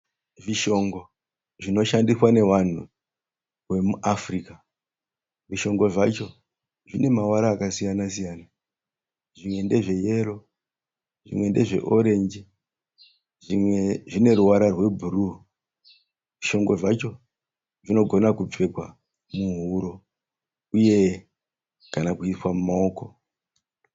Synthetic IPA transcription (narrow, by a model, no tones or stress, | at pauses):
ʐiʃo̞ŋɡo̞ | ʐino̞ʃandiswane̞wan̤ṵ | rwe̞muʔafriːka | ʐiʃo̞ŋɡo̞ʐat͡ʃo̞ | ʐine̞mawaɾaːkasijanasijaːna | ʐimwe̞nde̞ʐe̞je̞ɾo̞ | ʐḭmwe̞nde̞ʐe̞̰ʔo̞ɾe̞nd͡ʒi | ʐimweʐine̞ɾuwaɾarwe̞bʱuɾu | ʋiʃo̞ŋɡo̞ʐat͡ʃo̞ | ʐino̞ɡʱo̞nakup͡fe̞kwa̰ | muɦuɾo̞ | uje̞ | kanakuiswamumao̞ːko̞